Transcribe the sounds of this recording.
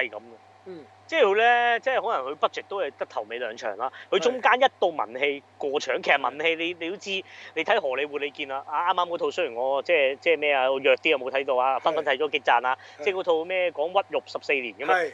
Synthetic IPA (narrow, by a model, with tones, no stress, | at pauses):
hɐ˨jkɐ˨˥mː˧ | t͡sɛː˥˩kʰɵ˨˧ɥlɛː˥t͡sɛː˥ho˨˥lɐ˨˩ŋkʰɵ˨˧ɥpɐ˥t̚t͡ʃɛ˨k̚t̪o˥whɐ˨˩jt̪ɐ˥k̚t̪ʰɐ˨˩wme˨˧jlœː˨˧ŋt͡ʃʰœ̰ː˨˩ŋlaː˧kʰɵ˧t͡sʊ˥ŋkaː˥njɐ˥t̚t̪o˧wmɐ̰˨˩nhe˧jkʷɔː˧t͡ʃʰœː˨˩ŋkʰjsɐ˨˩mɐ̰˨˩nhe˧jle˨˧jle˧ho˨˥t͡sʰiː˧le˨˧jt̪ʰjɦɔː˨˩le˨˧jwuː˨t̚le˨˧jkiː˧naː˧ʔaː˧aː˥mːaː˥kɔː˨˧˥tʰo˧wsɵ˥jyː˨˩ŋɔː˨˧t͡sɛː˥˩t͡sɛː˥˩mɛː˥˩aː˧ɔ˨˧jœː˨˧k̚t̪iː˥a˨˧mo˨˧wt̪ʰɐ˨˥jt̪o˧waː˧˩fɐ˥nfɐ˥nt̪ʰjt͡ʃɔː˨˥kɪ˥k̚t͡saː˧naː˧t͡sɛː˥˩kɔː˨˥t̪ʰo˧wmɛː˥˩kɔː˨˥ŋwɐ˥t̚jʊ˨p̚sɐ˨˩p̚se˧jliː˨˩nkɐː˥ma˧